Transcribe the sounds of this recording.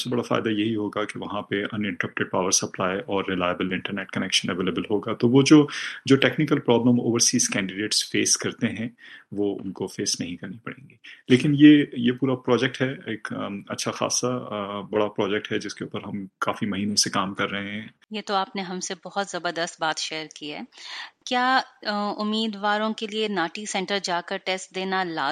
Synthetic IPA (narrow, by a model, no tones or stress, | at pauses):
sɐbsebɐɽafa̰ːɪd̪ajɐɦiɦoːɡakeʋɐɦãpeʔɐnɪ̃ɳʈəɾɐp̚ʈeɖ̚paːʋəɾsɐplaːjɔːɾːɪlaːjəbəlɪ̃ɳʈəɾneːʈkɐnɛːkʃə̃nɛʋeːlebəlɦoːɡaːt̪oʋod͡ʒoːd͡ʒoːʈeːknɪkəlpɾɔːbləmo̰ːʋəɾsiːzkɛ̃ːɳɖɪɖeːʈsfeːskɐɾt̪eɦɛ̃ʋoːʊ̰nkofeːsnɐɦĩkɐɾnipɐɽḛ̃ːŋɡiːleːkɪnjeːjepuːɾapɾɔːd͡ʒɛk̚ʈɦɛeːkːɐ̰tːʃʰaxa̰ːsabɐɽapɾɔːd͡ʒɛk̚ʈɦɛd͡ʒɪskeṵːpəɾɦɐmkaːfimɐɦiːnõsekaːmkɐɾːɐɦẽɦɛ̃ː | jeːt̪oaːpneɦɐ̃msebɔɦʊt̪zɐbəɾd̪əst̪̚baːt̪ʃeːəɾkiɦɛːkjaːʊmːiːd̪ʋaːɾõkelienaːʈisɛ̃ːɳʈəɾd͡ʒaːkəɾʈeːsʈ̚d̪eːnalaː